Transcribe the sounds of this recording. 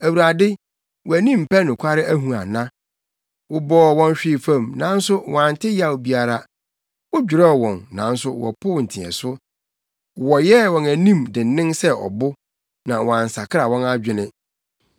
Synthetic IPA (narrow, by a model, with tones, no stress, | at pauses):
æ˨wu˨ɾa˨dɪ˦ | wæ˨nĩ˦m̩˨pʰæ˦nʊ̃˨kʷʰa˦ɾɪ˦ʔæ˦ɦũ˨a̰˨nã˦ | wʊ˨bɔː˨˦wɔ̃˦n˦ɕᶣɪ˦˨fã˦˨mnã˨˦n̩˦sʊ˦wɔ̃˨ã˨n̩˨tʰɪ˦ja˨wbi˦a˨ɾa˦ | wʊ˦d͡ʑᶣɪ˨ɾɛ˦˨wɔ̃˨nːã˨n̩˦sʊ˦wɔ̰˨pʰʊ˦˨n̩˨tʰɪ̃˨ɛ̰˨sʊ˦ | wɔ˨jɛ˦wɔ̃˨næ˨nĩ˦˨mdɪ̃˨n̩˨˦nɪ̃˦ŋsɛ˦ʔɔ̰˨bʊ˦ | nã˨wɔ̃˨ã˨n̩˨sa˨kʰɪ˦ɾa˨wɔ̃˦na˦d͡ʑᶣɪ˨nɪ̃˦